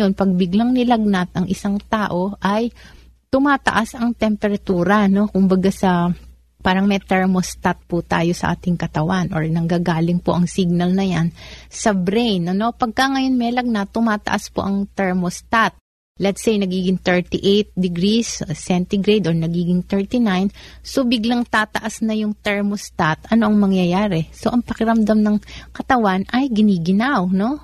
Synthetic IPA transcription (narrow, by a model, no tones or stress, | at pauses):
o̞npɐɡ̚bɪɡlɐŋnɪlɐɡ̚nat̪̚ɐŋʔɪsaŋt̪aːʔo̞ʔɐj | t̪ʊmaːt̪ɐ̰ʔasɐŋt̪ɛmpɛɾɐt̪uːɾɐno̞kʊmbɐɡasɐ | paːɾɐŋmɛt̪ɛɹmost̪at̪̚pʊt̪aːjo̞sɐ̰ʔa̰ːt̪ɪŋkɐt̪ɐwanʔoɹnɐŋɡaːɡaːlɪŋpoʔɐŋsiɡ̚nɐlnɐjansɐbɾɛjnʔɐno̞pɐɡ̚kɐŋɐjo̞nmɛlɐɡ̚nat̪ːʊmaːt̪ɐ̰ʔaspo̞̰ʔɐŋt̪ɛɹmost̪at̪̚ | lɛt̪sejnɐɡiːɡɪŋt̪ɛɹt̪iʔejt̪̚d̪ɪɡɾissɛnt̪ɪɡɾejd̪oɹnɐɡiːɡɪŋt̪ɛɹt̪inajnso̞bɪɡlaŋt̪aːt̪ɐʔasnɐjʊŋt̪ɛɹmost̪at̪ʔɐno̞ʔɐŋmɐŋjɐjaːɾɛso̞ʔɐŋpɐkɪɾɐmd̪amnɐŋkɐt̪ɐwanʔɐjɡɪniːɡɪnawno̞